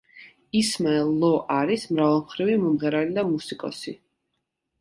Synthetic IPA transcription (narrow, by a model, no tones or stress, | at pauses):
ismɛlˠɔʔaɾismɾavɔlˠmχɾivimɔmʁɛɾalid̪amusikʼɔ̰si